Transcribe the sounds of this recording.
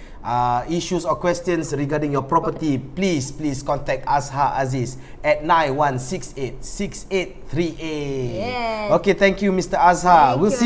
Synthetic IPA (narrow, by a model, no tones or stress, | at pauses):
aiʃusɔkwɛstjə̃nsɹiɡadĩŋjɔpɹɔpətiplispliskɔ̃ntɛk̚tashaʔas̬is | ɛt̚nãjnwãnsikset̚sikset̚t̪ʰɹiʔe | oket̪ɛ̃ŋkjumistəashawis